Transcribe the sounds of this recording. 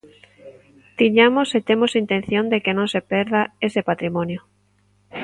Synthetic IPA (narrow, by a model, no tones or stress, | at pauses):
t̪iɲamoset̪emosint̪ẽnθjõnd̪ekenõŋsepɛɾðaesepat̪ɾimõnjo